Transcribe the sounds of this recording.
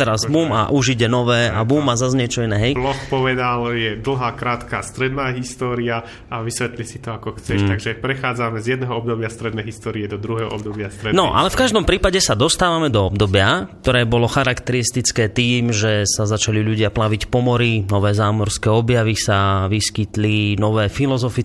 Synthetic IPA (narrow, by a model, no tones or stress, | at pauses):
t̪ɛɾazbuːma̰ʔuʒiɟɛnɔʋɛːabuːmazazɲɛɛt͡ʃɔinɛːɦɛjplɔxpɔʋɛd̪aljɛd̪l̩ˠɦaːkɾaːt̪kaːst̪ɾɛd̪naːɦist̪ɔːɾia | aʋisʋɛt̪lisit̪ɔakɔxt͡sɛʃt̪aɡʒɛpɾɛxaːd͡zamɛzjɛd̪nɛːɦɔɔb̚d̪ɔbɪast̪ɾɛd̪nɛjɦist̪ɔːɾiɛd̪ɔd̪ɾuɦɛːɦɔ̰ʔɔbd̪ɔbɪastt̪ɾɛdnɔʔa̰lɛfkaʒd̪ɔmpɾiːpaɟɛsad̪ɔst̪aːʋamɛd̪ɔɔb̚d̪ɔbɪakt̪ɔɾɛːbɔlɔxaɾakt̪ɛɾist̪it͡skɛːt̪iːmʒɛsazat͡ʃaliʎuɟɪaplaʋicpɔmɔɾinɔʋɛːzaːmɔɾskɛːɔbjaʋisaʋiskit̪linɔʋɛːfilɔzɔfi